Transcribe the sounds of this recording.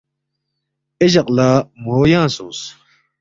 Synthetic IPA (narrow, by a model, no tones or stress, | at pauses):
eʑɐqʼlaːmoːjãːsoːs